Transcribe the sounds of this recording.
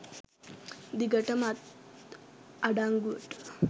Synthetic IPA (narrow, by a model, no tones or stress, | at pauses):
d̪iɡəʈəmat̪ | aɖaŋɡuʋəʈə̥